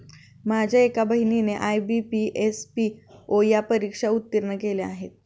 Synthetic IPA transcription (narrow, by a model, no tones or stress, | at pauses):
mad͡ʑʱaekabəɦinineʔajbipiʔespiojapəɾikʂaut̪ːəɾɳəkelea̰ɦet̪̚